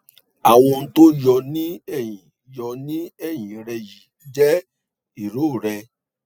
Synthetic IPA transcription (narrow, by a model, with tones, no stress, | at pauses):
a˨w̃ɔ̃˧n̩˦to˦jɔ˧nĩ˦ɛ˦˨j̃ĩ˨ | jɔ˧nĩ˦ɛ˦˨j̃ĩ˨ɾɛ˧ji˨ | d͡ʒɛ˦ | i˨ɾo˦˨ɾɛ˧